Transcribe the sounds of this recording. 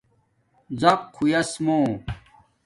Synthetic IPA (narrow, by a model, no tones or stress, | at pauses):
zɐqʰːujɐsmoː